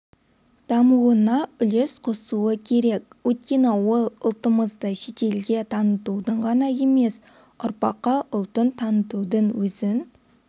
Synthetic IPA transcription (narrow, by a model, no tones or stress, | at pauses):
d̪̥ɑmuwənɑʏlesqʰosuwəkʲʰe̞ɾek̚ʲwɵjt̪̚kʲe̞newolˠʊlˠt̪əməzd̪ɑʃet̪e̞lɡʲe̞t̪ʰɑnət̪ud̪əɴʁɑnɑje̞me̞s | ʊɾpɑqːɑʔʊlˠt̪ənt̪ʰɑnət̪ud̪əɴwɵzɪn